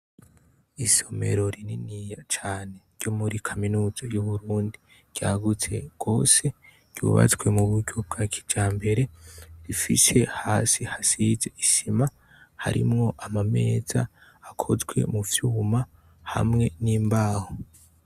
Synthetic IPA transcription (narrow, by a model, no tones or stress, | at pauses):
iso̞me̞̰ɾo̞ɾininijat͡ʃaːne̞ɾjo̞muɾikʰaminuːzojuβuɾuːndi | ɾ̥jaːɡut͡se̞̰ɡ̥o̞ːse̞ | ɾ̥ɟjṵːβa̰t͡swe̞muβuɾɟo̞b̚ɡaːkʰi̥d͡ʒaːmbe̞ɾe̞ɾifise̞haːsihasize̞iʃima | ha̰ɾḭmŋo̞ʔamame̞ːz̥a̰ːkʰo̞zɡwe̞̰muvjuːma | ha̰mŋe̞niːmbaːho